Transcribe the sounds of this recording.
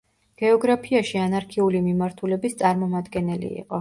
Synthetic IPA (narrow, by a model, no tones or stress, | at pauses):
ɡ̥ɛɔɡɾapʰiaʃianaɾkʰɛulimimaɾt̪ʰulɛbist̪sʼaɾmɔmad̪ɡɛnɛlḭḭqʼɔ